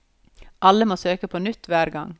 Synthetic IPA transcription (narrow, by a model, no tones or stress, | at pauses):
ʔɑləmoːsøːkəpʰoːnʏt̪ːʋæːɾɡɑŋ